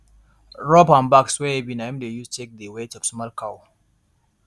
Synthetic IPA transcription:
ɹɔpãnbaksweebinamd̪ejuttʰek̚d̪ewetɔbsmalkʰaw

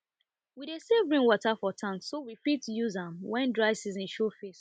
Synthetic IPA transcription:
wiɾesevɹĩŋwɔtafɔtʰãnsowifitjuzãmwɛ̃ndɹaɪsizĩnʃofes

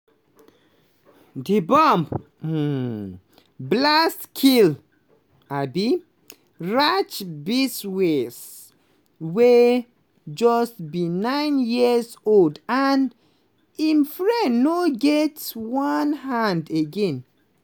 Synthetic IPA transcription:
dibɔ̃mp̩ | blastkʰil | abi | ɹat͡ʃbiswes | we | d͡ʒɔstbĩnãɪ̃njisoldan | ĩmfɹɛ̃nnoɡɛtwɔnhãndeɡɛ̃n

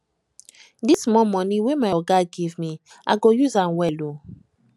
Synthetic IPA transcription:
dismɔmɔ̃niwemajɔɡaɡivmi | ʔaɡojuzãnwɛlo

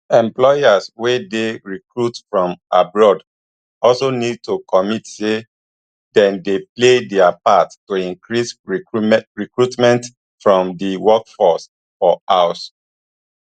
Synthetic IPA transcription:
ɛ̃mplɔjaswedeɹikɹutfɹɔ̃mʔabɹɔd | ɔlsonid̚tokɔmitse | dɛ̃ndepledɛapattoĩŋkɹisɹiɹikɹutmɛ̃nt | fɹɔ̃mdiwɔkfɔs | fɔaʊs

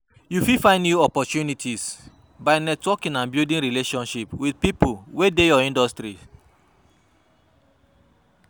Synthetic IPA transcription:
jufifãɪ̃ndjuɔpɔtunitʰis | baɪnɛtwɔkĩnãnbjildĩnɹileʃɔ̃nʃipwidpipulwedejɔĩndɔstɾi

